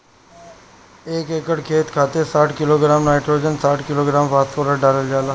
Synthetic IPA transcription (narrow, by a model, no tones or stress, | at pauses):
eːkeːkəɽkʰeːt̪kʰaːt̪esaːʈʰkɪloːɡɾaːmnaːɪʈɾoːd͡ʒənsaːʈʰkɪloːɡɾaːmpaːskoːɾaɖaːləld͡ʒaːlaː